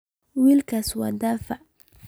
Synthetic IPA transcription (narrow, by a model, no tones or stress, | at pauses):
wiːlkʰaswa̰d̪aːfaʔ